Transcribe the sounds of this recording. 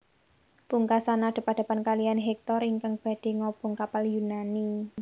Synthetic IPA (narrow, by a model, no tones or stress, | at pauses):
puŋkasanad̥e̤pad̥a̤pankalijanɦɛk̚t̪ɔɾiŋkaŋb̥a̤d̪̥e̤ŋɔpʊŋkapaljunani